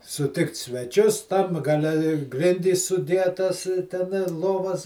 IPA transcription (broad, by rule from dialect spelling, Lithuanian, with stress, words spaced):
sʊˈtʲɪkt sʲʋʲɛˈt͡ʃʲʊs tɐm ɡɐˈlʲɛ ɪ ˈɡrʲɪnʲdʲiːs sʊdʲˈiɛtɐs ˈtʲɛn ɪ ˈlˠoːʋɐs